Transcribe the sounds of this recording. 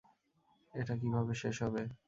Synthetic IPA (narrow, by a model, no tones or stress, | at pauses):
eʈak̬ibʱabeʃeʃɦɔbe